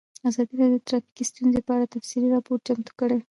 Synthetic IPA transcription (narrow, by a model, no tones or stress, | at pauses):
azɑd̪iɾɑdjot̪ɾɑfi̥kist̪unzepəaɽat̪afsiliɾɑpoɾ̚t͡ʃamt̪u̥kəɽe